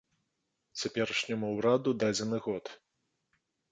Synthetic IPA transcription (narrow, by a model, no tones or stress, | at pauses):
t͡sʲapʲɛɾɐʂnʲɐmuwɾad̪ud̪ad͡zʲɛnɨɣɔt̪